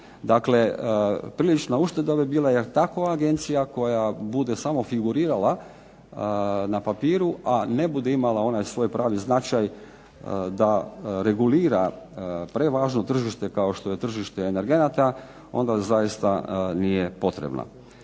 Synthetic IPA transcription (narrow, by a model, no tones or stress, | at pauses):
d̪akle̞pɾiːlit͡ʃnauʃt̪e̞d̪abibiːlajeɾt̪akoaɡe̞nt̪sijako̞jabud̪e̞samo̞fiɡuɾiːɾala | napapiːɾuʔane̞bud̪eimalao̞najsʋo̞jpɾaːʋiznat͡ʃaj | d̪aɾe̞ɡuliːɾapɾe̞ʋaːʒno̞t̪r̩ʒiʃt̪e̞kao̞ʃt̪o̞je̞t̪r̩ʒiʃt̪e̞ːne̞ɾɡe̞nat̪a | o̞nd̪azajist̪anije̞po̞t̪ɾḛbnʔa̰